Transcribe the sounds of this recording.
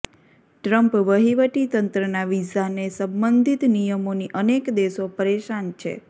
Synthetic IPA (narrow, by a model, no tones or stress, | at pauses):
ʈɾəmpʋəɦiʋəʈit̪ənt̪ɾənaʋisanesə̃mbənd̪ʱit̪nijəmoniʔənekd̪eʃopəɾeʃant͡ʃʰḛ